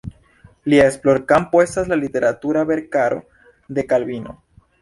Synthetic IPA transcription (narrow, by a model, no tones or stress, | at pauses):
liesploɾkampwest̪azlalit̪e̞ɾat̪uɾaβeɾkaɾo̰ | d̪e̞kalβino̰